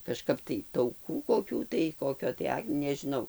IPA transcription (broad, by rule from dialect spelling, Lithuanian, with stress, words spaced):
kɐʃˈkɐp tɐɪ tɐʊˈkuː koːˈkʲuː tɐɪ ˈkoːkʲoː tɐɪ ˈɐk nʲɛʒʲɪˈnɐʊ